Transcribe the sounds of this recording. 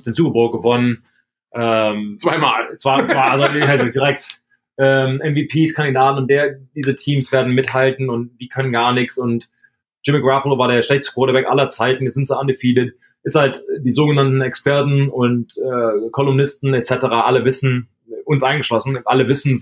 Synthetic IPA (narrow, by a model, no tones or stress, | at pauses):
stɪnzuːɡəboːɡ̥əvɔnən | ʔɛːmt͡sv̥aɪmaːlt͡sv̥aɪt͡sv̥aɪalzhaɪzodiːʁɛk̚t | ʔɛːmʔɛnviːpʰiːskʰandidaːtn̩ʊntd̥eːɐd̥iːzətʰiːmsv̥eːɐdn̩mɪthaltn̩ʊntd̥iːkʰœnənɡaːɐnɪçsʊnt | d͡ʒ̥ʒ̥ɪmiɡʁapl̩vaːɐdeːɐʃlɛçtəstəkʰv̥ɔːɾɐbɛkʔa̰lɐt͡saɪtn̩jiz̥ɪntz̥oandəfiːdət | ʔɪshaltd̥iːzoːɡənantn̩ɛkspɛɐtn̩ʊntʔɛːkʰɔlʊmnɪstn̩ɛtt͡sɛtəʁaːʔaləvɪsn̩ | ʔʊnsʔaɪnŋɡəʃlɔsn̩ʔaləvɪsn̩